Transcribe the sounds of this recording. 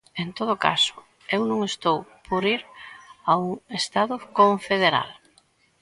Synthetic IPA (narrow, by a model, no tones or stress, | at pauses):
ent̪oð̞ʊka̰sʊ̥ | ewnũŋest̪owpʰoɾiɾauŋest̪aðʊkoɱfeðeɾa̰l